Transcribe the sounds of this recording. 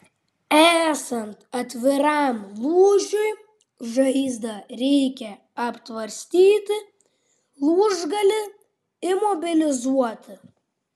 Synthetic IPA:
æːsɐnt̪ɐt̪ʲʋʲɪɾɑˑmlˠuːʒʲʊj | ʒɐɪzd̪ɐɾʲɛɪkʲɛ | ɐpt̪ʋɐɾʲsʲt̪ʲiːt̪ʲɪ | lˠuːʒɡɐlʲɪ | ɪmɔbʲɪlʲɪzuɔt̪ʲɪ

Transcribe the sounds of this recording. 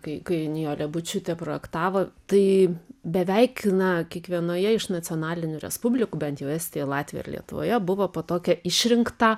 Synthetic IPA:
kɐɪkɐɪnʲɪjoːlʲɛbʊt͡ʃʲʊt̪ʲɛpɾoːjɛkt̪ɑːʋoːt̪ɐɪbʲɛʋʲɛɪknɐkʲiɛkʋʲiɛnoːjɛɪʃnɐt̪t͡s̪ʲɪɔːnɑːlʲɪnʲuːɾʲɛ̰spʊbʲlʲɪkuːbʲɛnt̪jɛʊɛːsʲt̪ʲejɛlˠɑːt̪ʲʋʲḭjo̰ɪ̰ɾlʲiɛ̰t̪ʊʋo̰ːjɛbʊʋoːpoːt̪oːkʲɛɪʃʲɾʲɪŋkt̪ɑ

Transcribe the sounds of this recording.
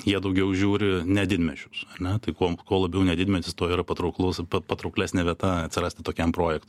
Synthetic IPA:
jiɛd̪ɐʊɡʲɛʊʒʲuːɾʲɪnʲɛd̪ʲɪd̪ʲmʲɛt͡ʃʲʊsɐrʲnʲɛt̪ɐɪkoɔkoɔlˠɐbʲɛʊnʲɛd̪ʲɪd̪ʲmʲɛt̪ʲɪst̪oːiːɾɐpɐt̪ɾɐʊklˠʊspɐpɐt̪ɾɐʊklʲæːsʲnʲɛʋʲiɛt̪ɐɐt̪ʲsʲɪɾɐsʲt̪ʲɪt̪oːkʲɛmpɾoːjɛkt̪

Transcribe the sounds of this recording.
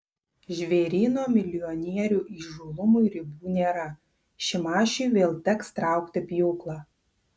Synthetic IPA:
ʒʲʋʲeːɾʲiːnoːmʲɪlʲɪjɔnʲiɛɾʲuːʔiːʒuːlˠʊmʊɪɾʲɪbuːnʲeːɾɐ | ʃʲɪmɑːʃʲuːʋʲeːlˠt̪ʲɛkst̪ɾɑˑʊkt̪ʲɐpʲjuːklˠɑː

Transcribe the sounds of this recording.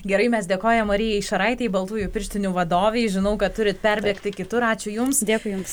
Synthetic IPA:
ɡʲɛɾɐɪmʲɛsd̪ʲeːkoːjɛmoːɾʲɪjɛɪʃɐɾɐɪt̪ʲɛɪbɐlˠt̪uːjupʲɪɾʲʃʲt̪ʲɪnʲuːʋɐd̪oːʋʲeɪʒʲɪnɐʊkɐt̪tʊɾʲɪt̪pʲɛɾʲbʲeːkt̪ʲɪkʲɪt̪ʊɾɑːt͡ʃʲʊjʊmsd̪ʲeːkʊɪjʊms

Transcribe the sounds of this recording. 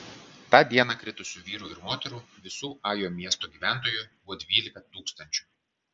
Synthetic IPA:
t̪ɑːd̪ʲiɛnɑkɾʲɪt̪ʊsʲuːʋʲiːɾuːɪɾmoːt̪ʲɛɾuːʋʲɪsuːɑːjoːmʲiɛst̪oːɡʲiːʋʲæˑnt̪oːjʊbɔd̪ʲʋʲiːlʲɪkɐt̪uːkst̪ɐnʲt͡ʃʲu̥ː

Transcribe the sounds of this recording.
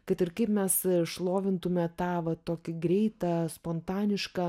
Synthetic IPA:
kɐt̪ɪɾkɐɪpmʲɛsʃlˠoːʋʲɪnt̪ʊmʲɛt̪ɑːʋɐt̪oːkʲɪɡɾʲɛɪt̪ɐspoːnt̪ɑːnʲɪʃkɑ

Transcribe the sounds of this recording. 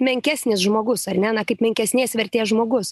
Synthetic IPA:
mʲɛŋʲkʲæːsʲnʲɪsʒmoːɡʊsɐrʲnʲɛnɐkɐɪpmʲɛŋʲkʲɛsʲnʲeːsʋʲɛɾʲt̪ʲeːsʒmoːɡʊs

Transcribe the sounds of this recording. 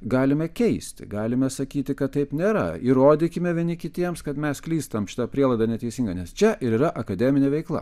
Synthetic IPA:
ɡɑːlʲɪmʲɛkʲɛɪsʲt̪ʲɪ̰ɡɑːlʲɪmʲɛsɐkʲiːt̪ʲɪkɐt̪t̪ːɐɪpnʲeːɾɐ̰iɾoːd̪ʲɪkʲɪmʲɛʋʲiɛnʲɪkʲɪt̪ʲiɛmskɐt̪mʲɛsklʲiːst̪ɐmʃʲɪ̥t̪ɐpʲɾʲiɛlˠɐɪd̪ɐnʲɛt̪ʲɛɪsʲiŋɡɐnʲɛst͡ʃʲɛʔɪɾiːɾɐʔɐkɐd̪ʲɛmʲɪnʲeːʋʲɛɪklˠɐ̰

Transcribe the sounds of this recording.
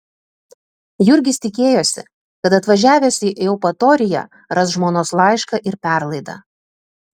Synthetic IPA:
jʊɾʲɡʲɪst̪ʲɪkʲeːjoːsʲɪ̰ | kɐt̪ɐt̪ʋɐʒʲæːʋʲɛsʲiʔɛʊpɐt̪ɔːɾʲɪjɛ̰ː | ɾɐs̬ʒmoːnoːslˠɑˑɪʃkɐʔɪɾpʲæˑɾlˠɐɪd̪ɑ̰

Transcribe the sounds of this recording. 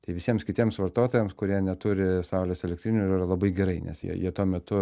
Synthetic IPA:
ɐɪʋʲɪsʲiɛmskʲɪt̪ʲiɛmsʋɐrt̪oːt̪oːjɛmskʊɾʲiɛnʲɛt̪ʊɾʲɪsɐʊlʲeːsɛlʲɛkt̪ʲɾʲɪnʲuirɐlˠɐbɐɪɡʲɛɾɐɪnʲɛ̰sjḭɛjiɛt̪uɔmʲɛt̪ʊ

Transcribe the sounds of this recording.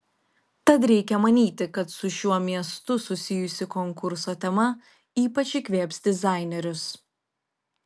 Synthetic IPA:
t̪ɐt̪ɾʲɛɪkʲɛmɐnʲiːt̪ʲɪkɐt̪sʊʃʲuɔmʲiɛst̪ʊsʊsʲɪjʊsʲɪkɔŋkʊɾsoːt̪ʲɛmɐ | iːpɐt͡ʃʲɪkʲʋʲeːpʲsʲd̪ʲɪzɑˑɪnʲɛɾʲʊs

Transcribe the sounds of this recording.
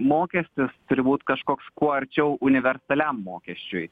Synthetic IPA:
moːkʲɛsʲt̪ʲɪst̪ʊɾʲɪbuːt̪kɐʃkoːkskuɔɐɾʲt͡ʃʲɛʊʔʊnʲɪʋʲɛɾst̪ɐlʲɛmːoːkʲɛsʲt͡ʃʲʊj

